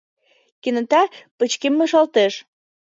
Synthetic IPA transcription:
kinə̆t̪ɑpə̆t͡ɕkemːeʃɑlt̪eʃ

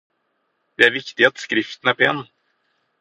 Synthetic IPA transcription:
d̪̥ɛæɾvɪkt̪ɪat̪skɾɪft̪ən̩æpʰɔɛnː

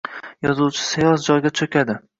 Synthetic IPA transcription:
jɒzuwt͡ʃʰɪ̥sajɒzd͡ʒɒjɡʲat͡ʃʰɵkʲad̪ɪ

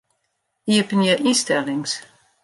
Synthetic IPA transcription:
iəpənəʔistɛlɪŋs

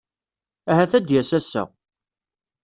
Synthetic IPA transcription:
æɦæθæd̪jæsæsæ̰

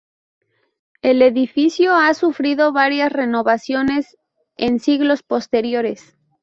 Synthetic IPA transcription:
e̞le̞ðifisjoasufɾiðo̞βaɾjasre̞no̞βasjo̞ne̞s | ensiɣlo̞spo̞st̪e̞ɾjo̞ɾe̞s

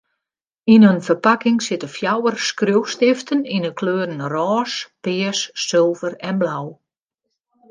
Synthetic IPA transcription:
inønfərpakɪŋsɪtəfjawərskrøwstɪftʰəninəkʰløːɾən̩rɔːspɪəsːɪlˠvərɛnblaw

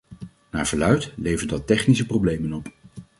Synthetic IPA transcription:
na̰ːɹv̥əɹlœɥtlejvəɹdɑtɛχnisəprowblejmənɔp

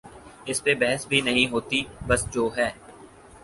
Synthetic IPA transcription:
ɪspebɛɦəsbʱinɐɦĩɦoːt̪ibəsd͡ʒoːɦɛː

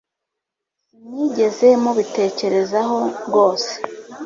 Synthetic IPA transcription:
niɟe̞ze̞muβite̞ːce̞ɾe̞zaɦo̞ɡo̞ːse̥

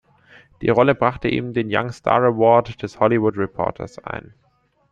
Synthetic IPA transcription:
d̥iːʁɔləbʁaχtəʔḭːbm̩deːnja̰ŋstʰa̰ːʁɛwɔɐtd̥ɛshɔlivʊtʁɛpʰɔ̰ɐtʰɐ̰sʔa̰ɪn

